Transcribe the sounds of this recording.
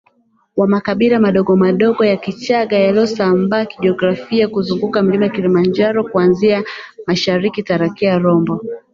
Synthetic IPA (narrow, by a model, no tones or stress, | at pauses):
wamakaɓilamaɗɔɠɔmaɗɔɡɔjakit͡ʃaɠajaliɔsambaːkiɗiɔɡɾafiakuzuŋɡukam̩limaakilimand͡ʒaɾɔkuanziamaʃaɾikitaɾakiaɾɔmbɔ